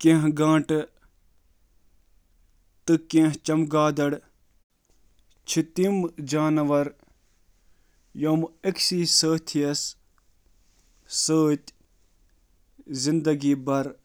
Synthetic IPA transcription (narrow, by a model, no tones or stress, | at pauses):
kẽːɦɡãːʈ | t̪ɨkẽːɦt͡ʃɐmɡaːd̪ɐɽ | t͡ʃʰit̪imd͡ʒaːnɐʋɐɾ | joːmeksiːsəːt̪ʰijɐs | əːt̪ʲ | zind̪ɐɡiːbɐɾ